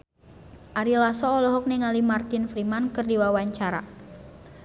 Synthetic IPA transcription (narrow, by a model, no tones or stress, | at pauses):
ʔaɾilasɔːlɔɦɔk̚niŋalimart̪ɪnfɾimankɨrdiwawaɲt͡ʃaɾa̰